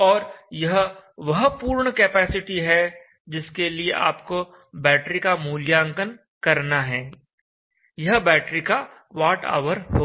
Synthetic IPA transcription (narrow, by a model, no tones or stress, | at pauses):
ɔːɾjɐɦʋɐɦpuːɾɳəkeːpɛːsɪʈiɦɛ | d͡ʒɪskelieʔa̰ːpko | bɛːʈɾikamuːljãːŋkən | kɐɾnaɦɛː | jɐɦbɛːʈɾika | ʋaːʈa̰ːʋəɾɦoː